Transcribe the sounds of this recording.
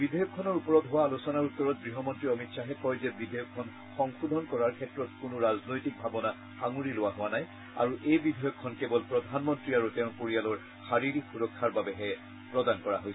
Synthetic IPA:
bidʱɔjɔkʰːɔnɔɹupɔɹɔtɦʊwaːlusɔnaɹutːɔɹɔt̚ɡɹiɦɔmɔntɹiɔmitsaɦɛkɔjzɛbidʱɔjɔkʰːɔn | xɔŋxudʱɔnkɔɹaɹkʰɛtɹɔtkʊnʊɹaznojtik̚bʱabɔna | xaŋuɹilʊwaɦʊwanaj | a̰ɹuʔejbidʱɔjɔkʰːɔnkɛbɔlpɹɔd̪ʱanmɔntɹiaɹutɛʊ̃koɹijalɔɹ | xaɹiɹikxuɹɔkʰːaɹbabɛɦɛ | pɹɔdankɔɹaɦojsɛ̥

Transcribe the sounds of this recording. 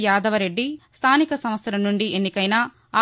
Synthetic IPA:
jaːd̪ʱɐʋɐɾe̞ɖːist̪ʰaːnikɐsɐmʋɐt̪sɐɾɐnːuɳɖiʔenːikɐjnaː

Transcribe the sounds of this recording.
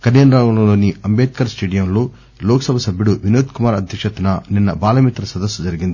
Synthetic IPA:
kɐnjɐnɾaːwulɐlo̞ːniɐmbeːt̪̚kɐɾsʈeːɖijɐmlo̞ː | loːkɐsɐbʱɐsɐbʱjuɽuʋinoːt̪kumaːɾɐd̪ʱjɐkʂɐt̪unɐninːɐbaːlɐmit̪ɾɐsɐd̪ɐsːud͡ʒɐɾiɡind̪ii

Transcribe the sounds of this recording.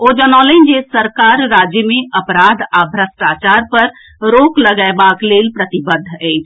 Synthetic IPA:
od͡ʒənalənd͡ʒesəɾkaɾːad͡ʒjəmeəpɾad̪ʱabʱɾəsʈat͡ʃaɾpəɾ | ɾokləɡaebaklelpɾət̪ibəd̪ʱːəjt͡ʃʰ

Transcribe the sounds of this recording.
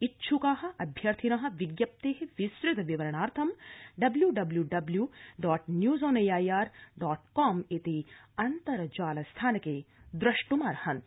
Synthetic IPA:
itːʃʰukaːɦɐ̆ɐbʱjɐɾt̪ʰinɐɦɐ̆ʋiɡjɐp̚t̪eːɦeʋisɾɪt̪ɐʋiʋɐɾɐɳ̃aːɾt̪ʰɐmɖɐbljuɖɐbljuɖɐbljuːɖɔːʈnjuːzoːnejaːjaːɾɖɔːʈkɔːmet̪iɐnt̪ɐɾɐd͡ʒaːlɐst̪ʰaːnɐkeːd̪ɾɐʃʈumaːɾhɐn

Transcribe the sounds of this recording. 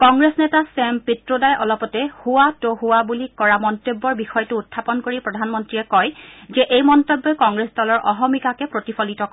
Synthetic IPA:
kɔŋɹesnɛtasɛmpitɹodajʔɔlɔpɔtɛhuwatohʊwabulikɔɹamɔntobːɔɹbixɔjtʊːtʰːapɔnkoɹipɹɔdʱanmɔntɹiɛkɔjzɛʔejmɔntobːɔkɔŋɡɹesdɔlɔɹʔɔɦɔmikakɛpɹotifʰɔlitɔk

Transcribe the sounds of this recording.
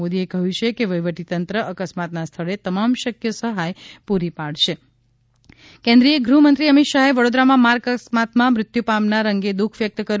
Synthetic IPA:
od̪iekəɦũt͡ʃʰekeʋəjʋəʈit̪ənt̪ɾəʔəkəsmat̪nast̪ʰəɭet̪əmamʃəkjəsəɦajpuɾipaɭʃe | kɛ̃nd̪ɾiəɡɾumənt̪ɾiəmit̪ʃaɦeʋəɽod̪ɾamãmaɾɡəsmat̪mãmɾɪt̪jupamnaɾəŋɡed̪ukʰʋjək̚t̪əkəɾ

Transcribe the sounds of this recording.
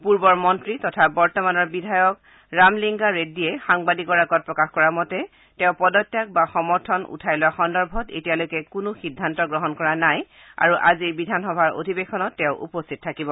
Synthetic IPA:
puɹbɔɹmɔntɹitɔtʰabɔɹtɔmanɔɹbidʱajɔk | ɹamliŋɡaɹediɛxaŋbadikɔɹaɡɔt̚pɹɔkaxkɔɹamɔtɛ | tɛ̃ʊ̃pɔdɔtːjak̚baxɔmɔɹtʰɔnṵtʰajlɔaxɔndɔɹbʱɔtḛtijalojkɛkʊnʊxidʱːantɔɡɹɔɦɔnkɔɹanaj | a̰ɹuʔaziɹbidʱanxɔbʱaɹʔo̰dʱibexɔnɔtːɛ̃ʊʔṵpostʰit̚tʰːakibɔ

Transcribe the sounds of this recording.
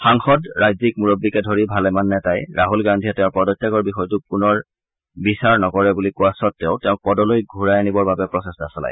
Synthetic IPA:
xaŋxɔdɹajzik̚muɹɔbːikɛdʱoɹibʱalɛmanːɛtajɹʔaɦulɡandʱiɛtɛʊ̃pɔdɔtːaɡɔɹbixɔjtʊp̚unɔɹ | bisaɹnɔkɔɹɛbulikuasɔtːeʊ̃tɛʊ̃pɔdɔlojɡʱuɹajanibɔɹbabɛpɹɔsestasɔla̰j

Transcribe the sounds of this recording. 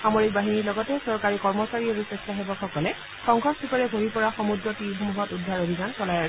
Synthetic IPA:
xamoɹik̚baɦiniɹlɔɡɔtɛsɔɹkaɹikɔɹmɔsaɹiaɹusɛstaɦebɔxɔkɔlɛ | kɔŋɡʰʱɔstʰikɔɹɛbʱoɹipɔɹaxɔmuɡɹɔtixɔmuɦɔtudʱːaɹobʱizansɔlaja

